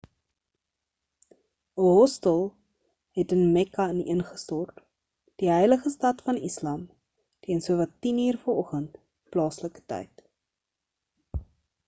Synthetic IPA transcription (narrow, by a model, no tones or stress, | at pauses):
əɦɔstəlˠ | ɦɛtənmɛkɐənənχəstɔrt | d̥iɦəjləχəstɐtfɐnislɑm | tiənsuəvɐtːiniːrfərɔχənt | plɑːsləkə̥tə̰jt